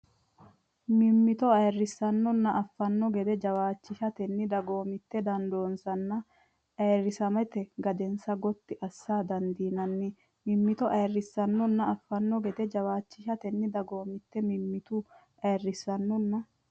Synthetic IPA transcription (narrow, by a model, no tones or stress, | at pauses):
mɪmːɪt̪ɔɐjrːɪsːɐnːɔnːɐʔɐfːɐnːɔɡɛd̪ɛd͡ʒɐwaːt͡ʃːɪʃɐt̪ɛnːɪd̪ɐɡo̞ːmɪt̪ːɛd̪ɐnd̪o̞ːnsɐnːɐ | ʔɐjrːɪsɐmɛt̪ɛɡɐd̪ɛnsɐɡɔt̪ːɪʔɐsːaːd̪ɐnd̪iːnɐnːɪ | mɪmːɪt̪ɔʔɐjrːɪsːɐnːɔnːɐɐfːɐnːɔɡɛd̪ɛd͡ʒɐwaːt͡ʃːɪʃɐt̪ɛnːɪd̪ɐɡo̞ːmɪt̪ːɛmɪmːɪt̪u | ʔɐjɛrːɪsːɐnːɔnːɐ